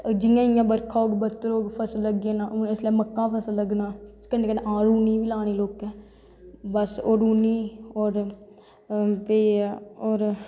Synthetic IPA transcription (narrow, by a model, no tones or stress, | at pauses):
d͡ʒɪjãːɪjãːbəɾkʰaːoːɡbət̪ːəɾoːɡpʰəsləɡeːnãːɪslẽːməkːãːpʰəsələɡnãːɪskəɾneːkənẽːʔãːɾuːniːʋiːlaːñeːloːkɛː | bəsoːɾuːniːɔːɾ | peːɔːɾ